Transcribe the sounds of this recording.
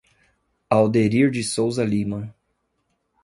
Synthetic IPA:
awd̪eɾiɾd͡ʒɪsowzɐlimɐ̃

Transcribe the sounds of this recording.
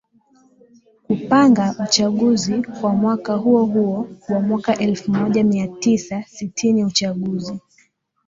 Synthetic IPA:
kupaŋɡaut͡ʃaɠuzikwamwakaɦuɔhuɔwamwakaʔɛlfumɔʄamiatisasitʰiniut͡ʃaɠuzi

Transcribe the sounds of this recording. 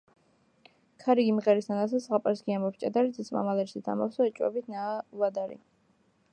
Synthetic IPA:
kʰaɾiɡimʁɛɾist̪anasasʁapʼaɾsɡiambɔpst͡ʃʼad̪aɾit̪sɛt̪sʼma̰malɛɾsit̪ʰa̰mafsɔɛt͡ʃʼwɛ̰bit̪ʰnavad̪aɾḭ

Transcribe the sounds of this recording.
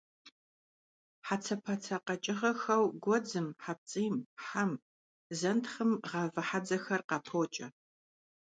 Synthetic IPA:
ħat͡sʰɐpʰɐt͡sʰɐqɐt͡ʃʼɪʁɐxɐwɡʷɔd͡zɨmħap̚t͡sʼiːmħam | zɐntχəmʁɐvɨħad͡zɐxɐrqɐpʰoːt͡ʃʼɐ

